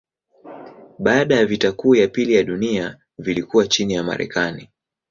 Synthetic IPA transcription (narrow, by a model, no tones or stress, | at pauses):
ɓaːɗajavitakuːjapilijaɗunia | vilikuwat͡ʃinijama̰ɾɛ̰kani